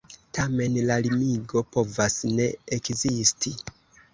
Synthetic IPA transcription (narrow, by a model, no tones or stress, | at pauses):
tʰame̞nlalimiɡo̞po̞vasne̞ekzistʰi